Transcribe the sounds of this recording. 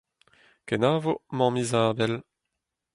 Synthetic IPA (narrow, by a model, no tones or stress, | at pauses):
kɛnaːvomɑ̃mizaːbɛl